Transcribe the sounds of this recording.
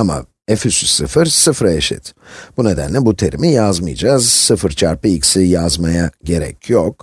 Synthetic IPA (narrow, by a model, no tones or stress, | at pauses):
ama̰ | efysysɯfɯɾsɯfɾaeʃḭt̪b̥une̞d̪æ̰nlʲɛbut̪ʰeɾimijazmɯ̰jd͡ʒaːzsɯfɯɾt͡ʃʰaɾpɯicsijazmajaɟe̞ɾɛ̰cʰjok